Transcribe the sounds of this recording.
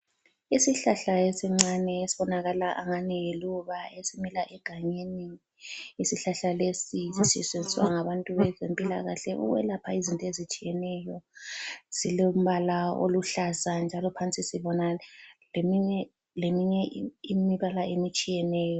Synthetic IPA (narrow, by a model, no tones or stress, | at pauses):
isiɬaɬaesiŋ͡ǀanɛesiβɔnaɣalaʔa̰ŋanijiluβaesimilaʔɛɡ̥ʱaɲeniː | siɬaɬalesisisɛ̰send͡zʱiswa̰ŋaβantʼuβɛzempʼila̰ɣa̰ɬɛʔṵɣwɛ̰lapʰaizintʼɔezit͡ʃʼijɛnɛjɔ | ziloum̩βalao̰luɬazand͡ʒʱalɔpʰant͡sʼisiβɔnalemiɲɛ | lemiɲɛʔimiβalaemit͡ʃʼijɛnɛːjɔ